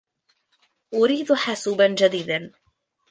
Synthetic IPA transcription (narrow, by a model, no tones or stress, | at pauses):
ʔʊɾiːd̪ħasuːband͡ʒad̪iːd̪an